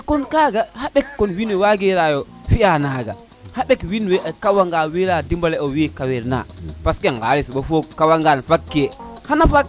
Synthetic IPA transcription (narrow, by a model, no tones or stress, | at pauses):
akɔnkaːɡahaɓɛkːɔnwinwɛwaɡɛɾajɔfianaːɡa̰ | haɓɛkwinwɛʔakawaŋɡawiɾadimbalɛɔwikawɛɾna̰paskɛŋɡa̰ːlisɓɔfokawaŋɡanfakːɛhanafak